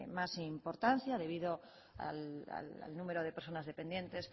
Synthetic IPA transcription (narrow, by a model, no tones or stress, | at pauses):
masimpoɾt̪an̟θjaðe̞β̞iðo | a̰la̰la̰lnumeɾoðepeɾsonazðepend̪je̞nt̪es